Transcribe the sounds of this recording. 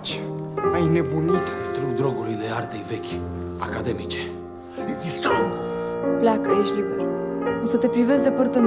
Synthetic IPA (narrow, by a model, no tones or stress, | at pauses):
t͡ʃajne̞bunit̪d̪ist̪ɾumd̪ɾo̞ɡulijleart̪ejve̞kʲa̰kad̪e̞mit͡ʃe̞ | ezist̪unplʲakəeʃlibeɾɨsət̪e̞pɾivesʲd̪epərt̪ən